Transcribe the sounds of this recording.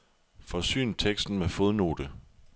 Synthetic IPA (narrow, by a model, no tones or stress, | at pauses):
fɒ̽sy̰ːnt͡sʰeɡ̥sd̥n̩mefo̝ð̞ˠno̝̰ːd̥ə